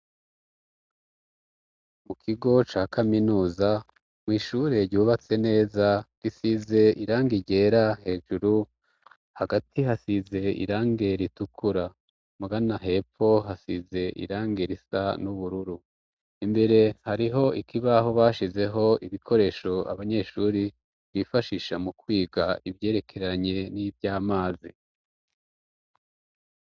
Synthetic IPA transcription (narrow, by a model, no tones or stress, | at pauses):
mukʰiɡo̞t͡ʃaːkʰaminuːza | mwiːʃuɾe̞ɾɟuːβat͡se̞ne̞ːzaɡ̥isize̞ʔiɾaːŋɡiɟe̞ːɾahe̞ːʒuɾu | haɡatʰiɦasize̞ḭɾaːŋɡe̞ɾitukʰuɾa | muɡanaɦe̞po̞ɦasize̞ʔḭɾaːŋɡeɾisanuβuɾuɾu | imbe̞ɾe̞haɾiɦo̞ikiβaho̞βaːʃize̞ɦo̞ʔiβikʰo̞ɾe̞ːʃo̞a̰βaɲe̞ːʃuɾi | βifaʃiʃamukwiːɡaiβje̞ːɾe̞kʰe̞ɾaɲe̞nibjaːmaːzi